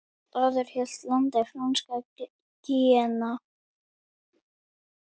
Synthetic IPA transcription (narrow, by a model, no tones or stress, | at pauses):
t̪aðɛɾ̥hɛlt̪lant̪ɛfɾanska | t̪iɛna